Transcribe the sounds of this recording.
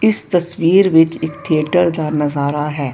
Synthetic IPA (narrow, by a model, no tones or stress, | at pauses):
ɪst̪ɐswiːɾʋɪt͡ʃɪkt̪ʰiəʈəɾd̪aːnɐzaːɾaɦɛː